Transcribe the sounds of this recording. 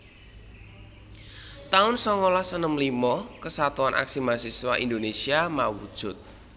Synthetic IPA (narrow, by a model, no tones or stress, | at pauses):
t̪aʊnsɔŋolasənəmlimɔkəsat̪uanʔa̰ksimasiswaʔind̪onesiamawud̥ʒ̥ʊt̪̚